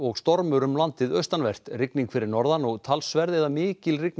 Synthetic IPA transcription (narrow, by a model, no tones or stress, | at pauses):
ɔɣst̪ɔɾmʏɾʏmlant̪ɪðœɥst̪anvɛr̥tt̪rɪkniŋkfɪɾɪɾnɔɾðanɔɣt̪ʰalsvɛɾðɛðamɪːcɪlrɪk̚n